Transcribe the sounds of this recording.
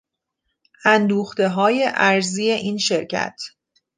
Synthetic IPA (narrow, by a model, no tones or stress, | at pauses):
ʔænd̪uːxt̪e̞ɦɒːje̞ʔæɾziːje̞ʔiːnʃeɾcʰæ̰t̪ʰ